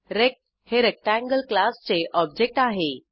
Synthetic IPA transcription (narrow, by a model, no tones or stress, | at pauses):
ɾek̚ | heɾek̚ʈæ̃ŋɡəlklast͡seʔɔb̚d͡ʑek̚ʈaɦe